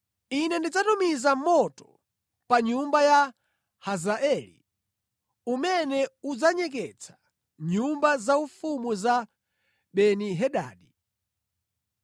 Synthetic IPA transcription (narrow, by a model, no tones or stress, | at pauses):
inɛndid͡zatumizamɔtɔ̥ | paɲumbaja | hazaʔɛlḭ | umɛnɛud͡zaɲɛk̬ɛt͡sʰḁ | ɲumbazaufumuza | ɓɛniɦɛɗa̰ːɗi